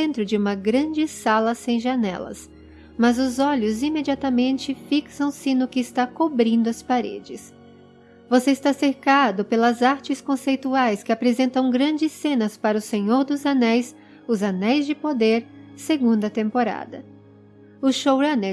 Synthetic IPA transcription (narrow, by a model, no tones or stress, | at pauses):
ẽnt̪ɾʊd͡ʒɪũmɐɡɾɐ̃d͡ʒɪsalɐsẽj̃ʒɐnɛ̰lɐ̰s | mɐzʊzɔʎʊzimed͡ʒiat̪ɐmẽnt͡ʃɪfiksɐ̃w̃sɪnʊkɪːst̪akobɾĩnd̪ʊɐspaɾḛd͡ʒɪs | voseɪst̪aseɾkad̪ʊpelɐzaɾt͡ʃɪskõsejt̪uajskɪapɾezẽnt̪ɐ̃w̃ɡɾɐ̃nd͡ʒɪsẽnɐspaɾɐʊsẽɲoɾd̪ʊzanɛjs | ʊzanɛjzd͡ʒɪpod̪eɾseɡũnd̪ʊɐt̪ẽmpoɾa̰d̪ɐ̰ | ʊʃowɾɐne